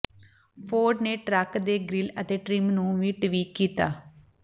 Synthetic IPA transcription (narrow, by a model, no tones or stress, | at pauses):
pʰoːɖneːʈɾɛkd̪eːɡɾɪlət̪eːʈɾɪmnũːʋiːʈʋiːkiːt̪aː